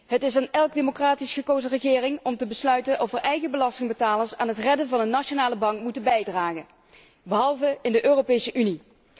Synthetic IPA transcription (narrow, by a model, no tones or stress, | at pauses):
ɦətɪsaːnɛlˠɡ̚demokraːtisχəkowzərəɣɪːrɪŋɔmtəbəslœɥtənʔɔfəɹʔɛjɣəbəlɑstɪŋbətaːləɹsa̰ːnɦətrɛdənvɑnənːaʃonaːləbɑŋkmutənbɛjdraːɣə | bəɦɑlˠvəɪndəʔøːrowpejsəʔyni